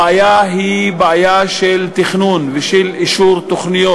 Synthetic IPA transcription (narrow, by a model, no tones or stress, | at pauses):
ajaɦibeajaʃelt̪iχnunveʃiliʃuɾt̪oχnijo